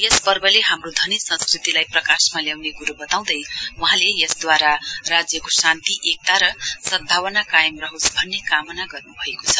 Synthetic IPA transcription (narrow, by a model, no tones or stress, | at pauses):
jespʌrbʌleɦamrod̪ʱʌnisʌ̃nskrit̪ilajprʌkasmaljawnekuɾubʌt̪aw̃d̪ʌjwʌɦãlejʌsd̪waɾarad͡zjʌkosant̪iʔek̚t̪aɾʌsʌd̪̚bʱawʌnakajʌmrʌɦusbʱʌnːekamʌnaɡʌrnubʱʌekot͡sʰʌ̥